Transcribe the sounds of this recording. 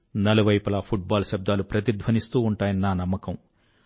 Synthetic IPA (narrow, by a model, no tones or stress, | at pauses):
nɐluʋɐjpɐlapʰuʈ̚baːlʃɐb̚d̪aːlupɾɐt̪id̪ʱʋɐnist̪uːuɳʈaːjɐninːaːnɐmːɐkɐm